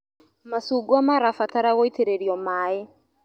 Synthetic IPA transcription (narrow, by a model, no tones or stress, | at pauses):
masuɡuamaɾafataɾaɣoiteɾeɾiɔmaːe